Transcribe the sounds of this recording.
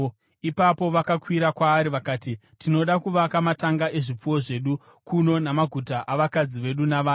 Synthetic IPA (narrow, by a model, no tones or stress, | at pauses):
ipapo̞ʋakakwiɾakwaːɾiʋakaːti | tʰino̞ɗakuʋakamataŋɡaʔe̞ʐip͡fuwo̞ʐe̞ɗu | kuno̞namaɡʱutaʔaʋakad͡ziʋe̞ɗunaʋaː